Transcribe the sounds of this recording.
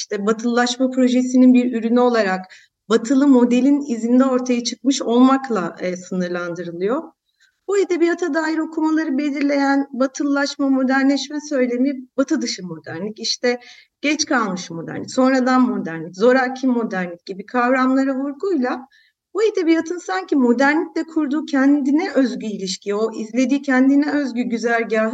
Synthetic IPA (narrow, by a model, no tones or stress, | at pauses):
iʃt̪ʰɛbat̪ʰɯlˠːaʃmapɾo̞ʒesininbiɾyɾynyo̞lˠaɾak | bat̪ʰɯlˠɯmo̞d̪e̞lʲinizind̪ɛo̞ɾt̪ʰajat͡ʃʰɯk̚mɯʃo̞lˠmaklˠasɯnɯɾlˠand̪ɯɾɯlˠɯjo̞ | buid̪ɛbiat̪ʰad̪aːjiɾo̞kʰumalˠaɾɯbe̞lʲiɾlʲe̞jænbat̪ʰɯlˠːaʃmamo̞d̪æɾnlʲɛʃmɛsø̞jlʲe̞mibat̪ʰɯd̪ɯʃɯmo̞d̪æɾnʲiciʃt̪ʰɛ | ɟ̥ɛt͡ʃkʰalˠmɯʃmo̞d̪æ̰ɾnʲicso̞nɾad̪anmo̞d̪æɾnlʲiczo̞ɾacʰimːo̞d̪æɾnlʲic̚ɟ̥ibikʰavɾamlˠaɾɯvuɾɡujlˠa | buid̪ɛbijat̪ʰɯnsaɲcimo̞d̪æɾnʲiclʲɛkʰuɾd̪uːcʰɛnd̪inɛʔøzɟyilʲiʃcʰioʔizlʲe̞d̪iːcʰɛnd̪inɛøzɟyɟyzælʲɟaːɦ